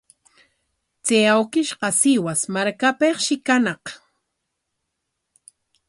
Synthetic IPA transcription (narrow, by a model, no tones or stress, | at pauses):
t͡sejawkɪʃqɑsɪwasmaɾkapeχʃɪkanɑq